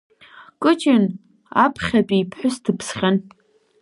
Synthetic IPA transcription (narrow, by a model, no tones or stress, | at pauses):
kʼɨt͡ʃʼɪn | apʰχʲatʼipʰħʷᶣʊstʰɨpʰsχʲan